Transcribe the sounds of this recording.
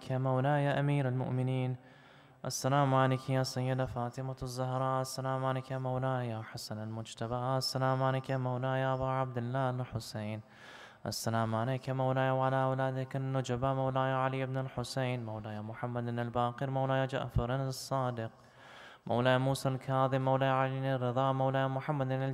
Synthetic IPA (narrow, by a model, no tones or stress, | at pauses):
kjaːmawlaːjaːʔamiːɾalmʊ̰ʔmɪniːn | ʔasːalaːmʕalɪkjaːsajːɪd̪afaːt̪ɪmazˤːʊɦɾˤɑːʔasːalaːmʕalɪkjaːmawlaːjaːħasanalmʊd͡ʒt̪abaʔasːalaːmʕalekjamawlaːjaːʔabaʕab̚d̪ɪlːaːnħʊseːn | ʔa̰sːalaːmʕaleːkjamawlaːjawʕalawlaːd̪akɪnnːʊd͡ʒabamawlaːjaʕalijːɪbnɪlħʊseːnmawlajamʊħamːad̪nɪlbaːqɨɾmawlaːjad͡ʒa̰ʔfaɾˤɪnsˤːɑːd̪ɪq̚ | mʔawlaːjamuːsalkʰaːðˤɪmmːawlaːjaʕalinɪrːɨðˤɑːʔmawlaːjamʊħamːad̪nɪ